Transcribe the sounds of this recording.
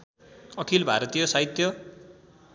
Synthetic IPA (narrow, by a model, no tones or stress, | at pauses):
ʌkʰilbʱa̰ɾʌt̪ijʌsaɦit̪jʌ